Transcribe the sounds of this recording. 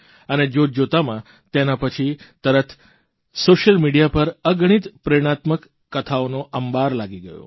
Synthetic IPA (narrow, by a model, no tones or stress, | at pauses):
əned͡ʒod͡ʒot̪amã | t̪enapət͡ʃʰit̪əɾət̪ʰ | soʃəlmiɽijapəɾəɡəɽ̃it̪pɾeɽ̃at̪məkː | ət̪ʰaonoʔəmbaɾlaɡiɡəjo̰